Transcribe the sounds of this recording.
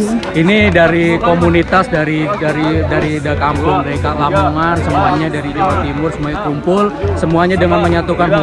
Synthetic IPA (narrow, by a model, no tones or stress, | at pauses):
inidaɾikomunit̪asdaɾidaɾidaɾidakampʊŋəɾekaʔlamuŋansəmuaɲadaɾiliɾat̪imʊrsəmuaɲakumpʊlsəmuaɲadəŋanməɲat̪ukanɦ